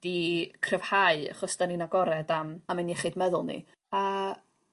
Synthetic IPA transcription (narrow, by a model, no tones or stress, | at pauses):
d̥ikʰrəvhaɨa̰χɔsd̥aninaɡɔɾɛdamamɛniɛχɪdmɛðʊlˠnḭ | a